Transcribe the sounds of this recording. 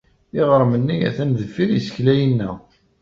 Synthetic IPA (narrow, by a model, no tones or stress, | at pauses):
ɪʁəɾˤmənːijæ̰θænðəfiɾisə̥çlæjənːæ̰